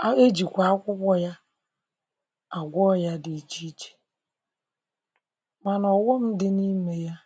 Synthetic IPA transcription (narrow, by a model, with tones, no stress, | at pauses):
a˦e˦d͡ʒi˨kʷa˨a˦kʷʊ˦kʷɔ˦ja˦ | a˨ɡʷɔ˦ja˦di˨t͡ʃi˦t͡ʃe̥˨ | ma˨nɔ˨wɔ˦m̩˦dɪ˦ni˦me˦ja˦